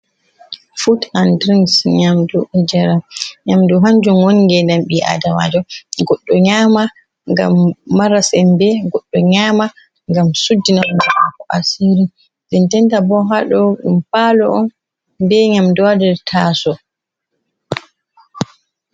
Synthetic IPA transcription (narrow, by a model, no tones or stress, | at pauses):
futandɾinsɲamdɔɛd͡ʒɛɾaɲamdɔɦaɲd͡ʒumwoniɡɛndamɓiʔa̰dama̰d͡ʒɔɡɔɗːɔɲama | ŋɡa̰mːaɾasɛmbɛɡɔɗːɔɲama | ŋɡamsudːinand͡ʒamakɔʔasiɾi | ɗɛntɛntabɔɦaɗɔɗumpalɔɔn | bɛɲamdɔwadɛɾtʰaːsɔ